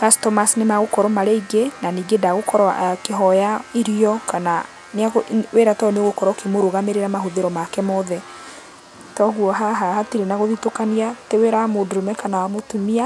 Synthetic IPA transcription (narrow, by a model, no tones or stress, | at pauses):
kastɔmasnemaɣokɔɾɔmaɾeiɡenaniːɡedaɣokɔɾɔa̰keɦɔjaiɾiɔkana | neaɣweɾatɔneoɣokɔɾɔkemoɾoɣameɾeɾamaɦoðeɾɔmakɛmɔðɛ | tɔɣuɔɦaɦahatiɾenaɣoðitokaniateweɾaamodoɾomɛkanawamotumia